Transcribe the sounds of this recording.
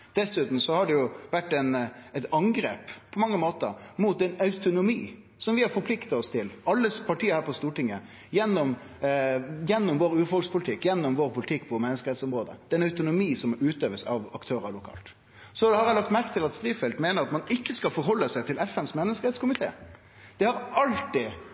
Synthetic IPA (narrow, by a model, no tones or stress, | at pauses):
d̪̥ɛsʉːt̪n̩sɔhɑɖɛjʊʋæʈːæɪnɛt̪ɑŋɡɾḛːppʰːɔmɑŋːəmoːt̪əɾmuːt̪̚d̪ɛnœʉt̪ʊnʊmiː | sɔmʋɪhɑɾfɔɾpʰlɪkt̪ɑɔst̪ʰɪlɑlːəspʰɑʈiːəɾhæːɾpɔst̪uːʈɪŋːə | jɛnːɔm | jɛnːɔmʋoːɾʉːfɔspʰʊlɪt̪ʰɪkːjɛnːɔmʋoːɾpʰʊlɪt̪ʰɪkːpʰɔmɛnːəskəɾɛt̪sɔmɾoːd̪ə̰d̪̥ɛnɑʉt̪ʊnʊmiːsɔmʉːt̪øːʋəsɑʋɑkt̪ʰøːɾəlʊkʰɑ̰ːlt̪ | sɔhɑɾæɪlɑkt̪mæɾkət̪ʰɪlɑt̪st̪ɾiːfɛld̪meːnəɾɑt̪mɑnɪkːəskɑlfɔɾɦɔlːəsæɪt̪ʰɪlɛfɛnsmɛnːəskəɾɛt̪skʊmɪt̪ʰḛː | d̪̥ɛhɑɾɑlt̪ɪ